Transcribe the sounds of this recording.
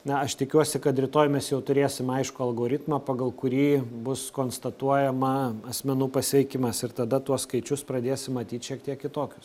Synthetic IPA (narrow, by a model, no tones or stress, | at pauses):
nɐɐʃt̪ʲɪkʲuɔsʲɪkɐt̪ɾʲɪt̪oːjmʲɛsjɛʊt̪ʊɾʲeːsʲɪmɐɪʃkʊɐlˠɡoːɾʲɪt̪mɑːpɐɡɐlˠkʊɾʲiːbʊskoːnst̪ɐt̪uɔjɛmɐɐsʲmʲɛnuːpɐsʲʋʲɛɪkʲɪmɐsɪrt̪ɐd̪ɐt̪uɔskɐɪt͡ʃʲʊspɾɐd̪ʲeːsʲɪmːɐt̪ʲiːt̪ʃʲiɛk̚t̪ʲiɛkkʲɪt̪oːkʲʊ̥s